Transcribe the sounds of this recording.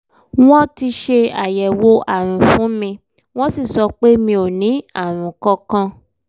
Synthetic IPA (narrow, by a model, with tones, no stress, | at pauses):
w̃ɔ̃˦ti˧ʃe˧a̰˨jɛ˨wo˧ʔa˨ɾ̃ũ˨fũ˨˦mĩ˧ | w̃ɔ̃˦si˦˨sɔ˧k͡pe˦mĩ˧˦o˨nĩ˨˦a˦˨ɾ̃ũ˨kɔ̃˧kã˧